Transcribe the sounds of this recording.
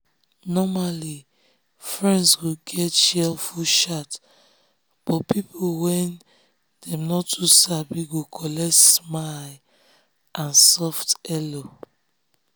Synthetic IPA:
nɔmali | fɹɛ̃ndswuɡɛtʃɛlfuʃat | b̥ɔtpipʰowɛ̃n | dɛ̃mnɔtʰːusabiɡokʰɔlɛtsmaj | ʔãnsɔftɛlo

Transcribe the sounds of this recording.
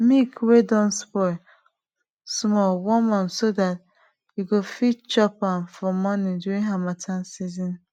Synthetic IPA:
mikwedɔ̃nspɔɪ | smɔwɔmansodat | juɡofitt͡ʃɔpamfɔmɔnĩduĩŋɦamatʰansizĩn

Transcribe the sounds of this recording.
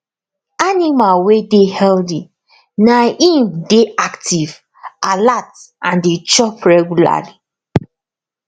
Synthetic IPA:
animalwedehɛldi | naʔĩmdeaktiv | alatʔãndet͡ʃɔpɹɛɡula̰li

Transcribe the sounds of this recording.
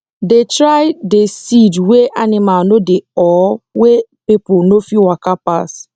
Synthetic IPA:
detɾaɪdesidweʔanɪmanodeɔwepiponofiwakapas

